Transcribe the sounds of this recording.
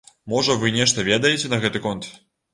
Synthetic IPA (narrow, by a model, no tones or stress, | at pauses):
mɔʐɐvɨnʲɛʂt̪ɐvʲɛd̪ɐjet͡sʲɛnɐɣɛt̪ɨkɔnt̪